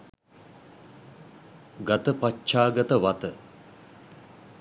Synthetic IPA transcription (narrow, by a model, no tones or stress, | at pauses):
ɡat̪əpat͡ʃːt͡ʃaːɡət̪əʋat̪ə